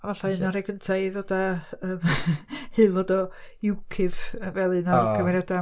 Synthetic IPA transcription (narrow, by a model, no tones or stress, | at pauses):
avaɬaɨnɔɾɛɡəntʰaɨðodaəːmhɨlˠvoːdɔɪwkʰɪv̥vɛlˠɨnɔkʰəmɛɾjada